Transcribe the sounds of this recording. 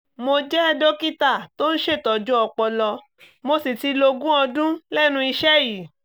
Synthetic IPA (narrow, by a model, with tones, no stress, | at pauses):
mo˧d͡ʒɛ˦ɛ˧do˦ki˦ta˦˨to˦n̩˦ʃe˦˨tɔ˨d͡ʒɔ˦ɔ˧k͡pɔ˧lɔ˧ | mo˧si˨ti˧lo˧ɡũ˦ɔ˧dũ˦lɛ˦nũ˧i˧ʃɛ˦ji˨